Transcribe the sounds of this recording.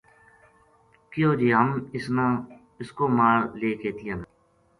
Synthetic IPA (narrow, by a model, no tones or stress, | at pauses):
kɪjoːd͡ʒiːɦəmɪsna | ɪskoːmaːɾleːkeːt̪iaːnaː